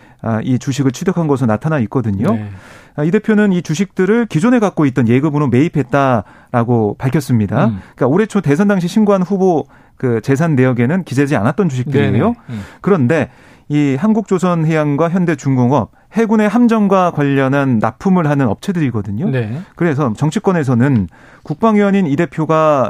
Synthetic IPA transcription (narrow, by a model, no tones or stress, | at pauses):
ait͡ɕuɕʰiɡɯɭt͡ɕʰudekʰanɡʌs̬ʰɯnatʰanaik̚k͈ʌdɯɲo | ide̞pʰjonɯnit͡ɕuɕʰik̚t͈ɯɾɯɭkid͡ʑone̞ɡak͈̚oit̚t͈ʌnje̞ɡɯbɯɾome̞ipʰe̞t̚t͈a | ɾaɡopaɭkʰjʌs͈ɯmɲidaik͈aoɾe̞t͡ɕʰote̞sʰʌndaŋɕ̬ʰiɕʰimɡuɦanɸubo | kɯt͡ɕe̞s̬ʰanːe̞jʌɡe̞nɯnkid͡ʑed͡ʑia̰nat̚t͈ʌnt͡ɕuɕʰikt͈ɯɾiɡejokɯɾʌnde̞ | iɦanɡuk̚t͡ɕ͈osʰʌnɦe̞jaŋɡwaçjʌnde̞t͡ɕuŋɡoŋʌp̚ | he̞ɡune̞ɦamd͡ʑʌmɡwakwaʎːʌnɦanːa̰pʰumɯɭɦanɯnʌ̰p̚t͡ɕʰe̞dɯɾiɡʌdɯɲokɯɾe̞s̬ʰʌt͡ɕʌŋt͡ɕʰik͈wʌne̞s̬ʰʌnɯn | kuk̚p͈aŋjʌɲinide̞pʰjoɡa